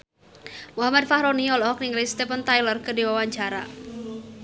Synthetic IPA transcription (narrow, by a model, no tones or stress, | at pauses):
muɦamad̪̚fahɾoniɔlɔɔk̚niŋlist̪ɛpənt̪ajlərkədiwawaɲd͡ʒaɾa̰